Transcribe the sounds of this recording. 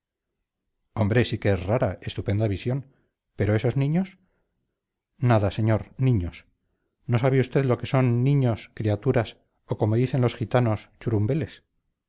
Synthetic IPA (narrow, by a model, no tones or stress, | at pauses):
o̞mbɾe̞sikeesraɾae̞st̪upe̞nd̪aβisjo̞n | pe̞ɾoe̞so̞znĩɲo̞s | naðase̞ɲo̞ɾnĩɲo̞s | no̞saβeust̪e̞ðlo̞ke̞so̞nːĩɲo̞skɾiat̪uɾas | o̞ko̞moðiθe̞nlo̞sxit̪ano̞st͡ʃuɾumbe̞le̞s